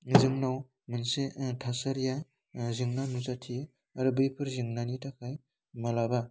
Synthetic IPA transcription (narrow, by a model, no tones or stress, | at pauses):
zɯŋnaw | mɯnsetʰasaɾija | zɯŋnanuzatʰi | aɾɯbɯjpʰɯɾzɯŋnanitʰakʰaj | malaba